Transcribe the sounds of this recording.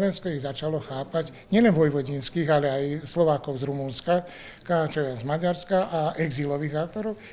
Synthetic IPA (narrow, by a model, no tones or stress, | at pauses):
ʋɛnskɔiɣzat͡ʃalɔxaːpaɟ | ɲɪɛlɛnʋɔjʋɔɟinskiːɣalɛajslɔʋaːkɔʊzɾumunska | kat͡ʃɔɛzmaɟaɾskaʔaʔɛɡzilɔʋiːɣak̚t̪ɔɾɔʊ